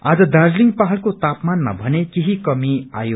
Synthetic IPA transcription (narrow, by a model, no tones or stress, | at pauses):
ad͡zʌd̪ard͡zliŋɡpaɦʌlkot̪apmanma̰bʱʌnekeɦikʌmia̰jo